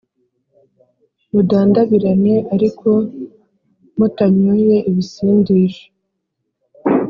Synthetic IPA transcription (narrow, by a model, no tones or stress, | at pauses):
mudaːndaβiɾaɲe̞ʔaɾikʰo̞ | mutaɲuje̞ʔiβisiːndiːʃo̥